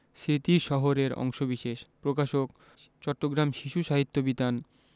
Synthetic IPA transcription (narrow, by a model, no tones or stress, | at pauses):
sɾit̪iʃɔɦoɾeɾɔ̰ŋʃobiʃeʃpɾokaʃok | t͡ɕɔʈːoɡɾamʃiʃuʃaɦit̪ːobit̪an